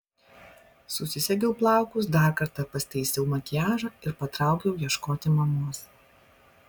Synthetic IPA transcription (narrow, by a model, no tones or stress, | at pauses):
sʊsʲɪsʲɛɡʲɛʊplˠɑˑʊkʊs̬d̪ɑˑɾkɐɾt̪ɐpɐsʲt̪ʲɛɪsʲɛʊmɐkʲɪjæːʒɑːɪɾpɐt̪ɾɑˑʊkʲɛʊjiɛʃkoːt̪ʲɪmɐmuɔs